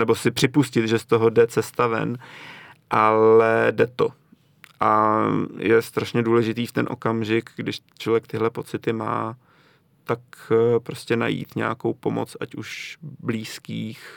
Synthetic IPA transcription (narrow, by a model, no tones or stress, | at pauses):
nɛbo̞sɪpr̥ɪpuscɪt̪ʒɛst̪o̞ɦodɛt͡sɛst̪avɛ̰n | ʔalɛdɛt̪o̞ | ʔa | jɛst̪ɾaʃɲɛduːlɛʒɪt̪iːft̪ɛnʔo̞̰kamʒɪkɡdɪʃ | t͡ʃlo̞vjɛkt̪ɪɦlɛpot͡sɪt̪ɪma̰ː | t̪akpɾo̞scɛna̰jḭːt̪ɲa̰ːko̞wpo̞mo̰t͡sʔacuʃbliːskiːx